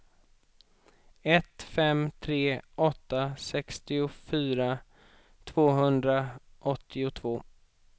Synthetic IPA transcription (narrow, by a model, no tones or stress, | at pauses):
ɛt̪fɛmt̪ʰɾeːʔɔt̪ːasɛkst̪ɪʊfyːɾa | t̪ʰv̥oːɦɵnd̪ɾaʔɔt̪ʰːɪʊt̪ʰvoː